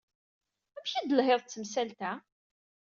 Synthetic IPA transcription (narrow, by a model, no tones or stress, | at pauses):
æmçid̪əlɦeðˤt͡sːəmsælt̪æ